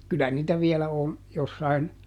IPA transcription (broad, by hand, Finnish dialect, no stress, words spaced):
kylæ niːtæ ʋiɛlæ on josːɑin